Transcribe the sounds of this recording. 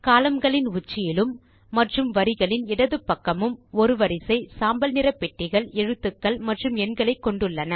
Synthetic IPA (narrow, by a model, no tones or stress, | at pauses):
kaːlɐmɡɐɭɪnʊt͡ʃːɪjɪlɯmː | ɐʈrɯmʋɐɾɪɣɐɭɪnɪɽɐðɯpːɐkːɐmɯmɔɾɯʋɐɾɪsɐɪsaːmbɐlnɪɾɐpːɛʈːɪɣɐɭɛɻɯt̪ːɯkːɐɭmɐʈrɯmɛnɡɐɭɐɪkːɔɳɖɯɭːɐnɐ